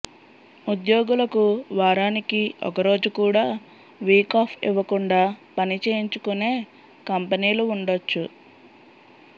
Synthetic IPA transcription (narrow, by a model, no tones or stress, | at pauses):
ud̪jo̞ːɡulɐkuʋaːɾaːnikiɔkɐɾo̞ːd͡ʒukuːɽaː | ʋiːkaːpʰḭʋɐkuɳɖaːpɐnit͡ʃe̞ːjiɲt͡ʃukune̞ː | kɐmpɐniːluːɳɖot͡ʃːu